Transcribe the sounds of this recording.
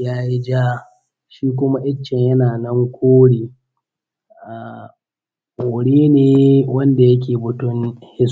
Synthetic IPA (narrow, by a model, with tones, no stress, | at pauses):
jaː˦ji˦d͡ʒa˦ | ʃiː˦k̬ʷʊ˦ma˦ʔɪ˦t͡ʃːɐ˨ɲjɐ˦naː˨nɐ˦ŋkʷʰoː˦ɽeː˨ | ʔaː˨ | ʔoːʊ˨ɽeː˦neː˨wɐ˦nda˨jɐ˦k̬ʲeː˨bʊ˨tʊ˦nhɪ˦s